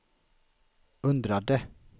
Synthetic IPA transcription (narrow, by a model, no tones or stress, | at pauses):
ɵnd̪ɾad̪ə